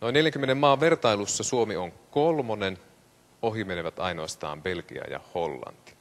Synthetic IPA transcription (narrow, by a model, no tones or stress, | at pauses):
no̞inːeljæŋkymːenemːɑːʋʋe̞rt̪ɑilusːɑsuomioŋkolmonen | o̞ɦimeneʋæt̪ɑinoɑst̪ɑ̰ːmbe̞lkḭɑ̰jɑ̰ho̞lːɑ̰nt̪i̥